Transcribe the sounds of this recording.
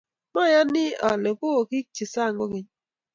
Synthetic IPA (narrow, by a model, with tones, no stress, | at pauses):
ma˦˨ja˦nɪ˦a˨le˨ko˦˨ki˦k̚t͡ʃi˨sa˦˨ŋɡo˦ɡe˨ɲ